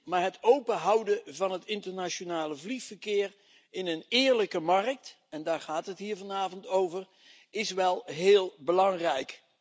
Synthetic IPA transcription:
maːɹɦətowpəɦʌwdəvɑnɦətɪntəɹnat͡ʃonaːləvliχfəɹkɪːɹ | ɪnənɪːɹləkəmɑrək̚t | ɛndaːɹχaːtɦətɦiːɹvɑnaːvɔntowvər | ɪsʋɛlˠɦeːlˠbəlɑŋrɛjk

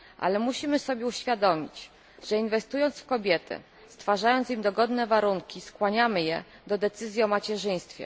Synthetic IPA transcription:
ʔa̰lɛmuɕimɘsɔbʲjɛuɕfʲjad̪ɔmʲḭt͡ɕ | ʐ̥ɛinvɛst̪ujɔnt̪sfkɔbʲjɛt̪ɘ̰ | st̪faʐajɔnt̪simd̪ɔɡɔd̪nɛvaɾuŋkʲiskwaɲamɘjɛ | d̪ɔd̪ɛt̪sɘzʲjiɔmat͡ɕɛʐɘj̃st̪fʲjɛ̰

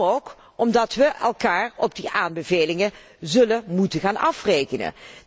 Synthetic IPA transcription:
oːk | ɔmdɑtʋəʔɛlˠkaːrɔ̰b̚diʔaːnbəveːlɪŋə | zɵlənmutəχaːnʔɑfrejkənə̰

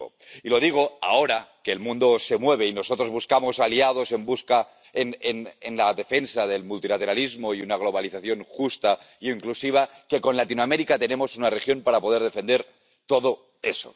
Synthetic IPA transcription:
o̰ | ilo̞ðiɣ̞o̞a̰oɾakeːlmũnd̪o̞se̞mwe̞β̞e̞ino̞so̞t̪ɾo̞zβuskamo̞saliað̞o̞se̞mbuska | enenenlaðe̞fe̞nsaðe̞lmult̪ilat̪e̞ɾalizmo̞iunaɣ̞lo̞β̞aliθaθjo̞ŋxust̪a | iiŋklusiβ̞ake̞ko̞nlat̪inoame̞ɾikat̪enemo̞sunarexjo̞mpaɾapo̞ðeɾðe̞fend̪e̞ɾ | t̪o̞ð̞o̞ | e̞so̰

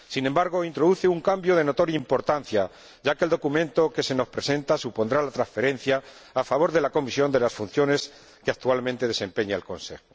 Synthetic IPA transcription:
sinembaɾɣ̞o̞int̪ɾo̞ðuθeuŋkambjo̞ðe̞no̞t̪o̞ɾjaimpo̞ɾt̪an̟θja | ɟ͡ʝakeld̪o̞kumẽ̞nt̪o̞ke̞se̞no̞spɾe̞se̞nt̪asupo̞nd̪ɾalat̪ɾasfe̞ɾẽ̞n̟θjaː | faβ̞o̞ɾðe̞lako̞misjo̞nd̪e̞lasfun̟θjo̞ne̞s | keak̚t̪ualmẽnt̪e̞ðe̞se̞mpe̞ɲaelkõ̞̰nse̞̰xo

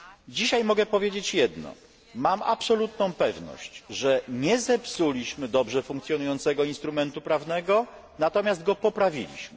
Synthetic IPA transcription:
d͡ʑiɕajmɔɡɛpɔvʲjed͡ʑet͡ɕjɛd̪nɔ̰ | mama̰psɔlut̪nɔ̃w̃pɛvnɔ̰ɕt͡ɕʐɛɲɛzɛpsulʲiɕmɘd̪ɔbʐɛfuŋkt̪sʲjɔnujɔnt̪sɛɡɔinst̪ɾumɛnt̪upɾavnɛɡɔ | nat̪ɔmʲjaszd̪̚ɡɔpɔpɾavʲḭlʲḭɕmɘ

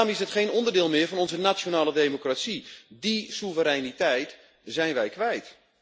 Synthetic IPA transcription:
amɪsdətχeːnɔndərdɪːlˠmɪvɔnɔnzənat͡ʃjonaːlədejmokrasidisuvəɾɛjnitɛjt | zɛjnʋɛjkʋɛjt

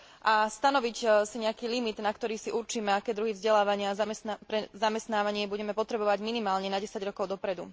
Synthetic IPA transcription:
ʔast̪anɔʋicsiɲɛakiːlimid̪nakt̪ɔɾiːsiʔuɾt͡ʃiːmɛakɛːd̪ɾuɦivzɟɛlaːʋaɲɪapɾɛzamɛst̪naːʋaɲɪɛbuɟɛmɛpɔt̪ɾɛbɔʋaɟminimaːlɲɛnaɟɛsaɟɾɔkɔʊd̪ɔpɾɛd̪ṵ

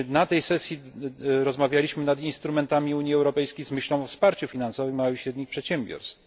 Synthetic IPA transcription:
nat̪ɛjsɛsʲji | ɾɔzmavʲjalʲiɕmɘnad̪inst̪ɾumɛnt̪amʲiuɲjiɛwɾɔpɛjskʲejzmɘɕlɔ̃w̃ɔfspaɾt͡ɕufʲinansɔvɘjmːawɘɕɾɛd̪ɲixpʂɛt̪ɕɛmbʲjɔ̰ɾst̪f

